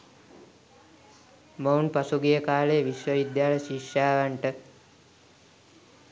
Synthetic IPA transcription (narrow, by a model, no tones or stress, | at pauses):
mownpasuɡijəkaːlejəʋiʃʋəʋid̪jaːləʃikʂaːʋaɳʈə